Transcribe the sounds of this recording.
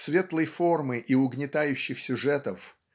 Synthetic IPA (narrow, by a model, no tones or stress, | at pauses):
svʲe̞t̪lˠəjfo̞rmɨʔiʊɡnʲɪt̪ajʉɕːɪxsʲʊʐɛt̪əf